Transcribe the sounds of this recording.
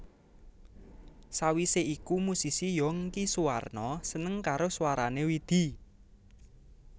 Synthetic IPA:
sawiseʔikumusisijɔŋkisuwa̰rnɔsənəŋkaɾoswaɾanewid̪̥i̤

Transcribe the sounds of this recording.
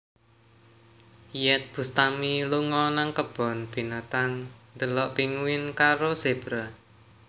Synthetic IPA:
jɛt̪̚b̥ṳst̪amiluŋɔnaŋkəb̥ɔ̤nb̥i̤nat̪aŋnd̪əlɔʔpiŋuwɪnkaɾoseb̥ɾa

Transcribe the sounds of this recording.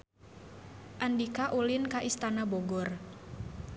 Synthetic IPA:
ʔandikaʔulinkaʔist̪anabɔɡɔr

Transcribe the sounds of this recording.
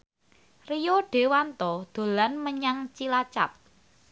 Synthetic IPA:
rijoɖ̥e̤want̪ɔd̪̥o̤lanməɲaŋt͡ʃilat͡ʃa̰p̚

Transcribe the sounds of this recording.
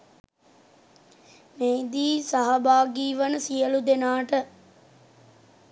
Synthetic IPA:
mejd̪iːsaɦɐbaːɡiːʋənəsijəlud̪enaːʈə

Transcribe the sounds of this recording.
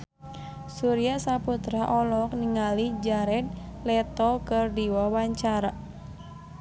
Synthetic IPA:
suɾiasaput̪ɾaʔɔlɔk̚niŋalid͡ʒaɾɛd̪̚lɛt̪ɔkərdiwɔwaɲt͡ʃaɾa

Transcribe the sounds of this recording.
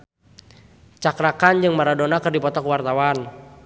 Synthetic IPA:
t͡ʃakɾakand͡ʒɨŋmaɾadɔnakərdipɔt̪ɔkuwart̪awan

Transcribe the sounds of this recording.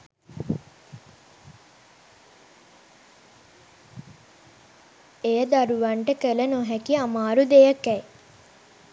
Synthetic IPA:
ejəd̪aɾuʋaɳʈəkələnoɦækiamaːɾud̪ejəkæj

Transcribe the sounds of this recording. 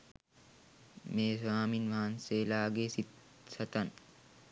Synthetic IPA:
meːsʋaːminʋaɦanseːlaːɡesit̪ | sɐt̪ɐn

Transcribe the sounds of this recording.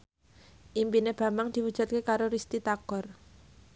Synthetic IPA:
ʔimpineb̥ä̤mbaŋd̪̥iwud̥ʒ̥ṳt̪̚kekaɾoɾist̪it̪aɡ̥ɔr

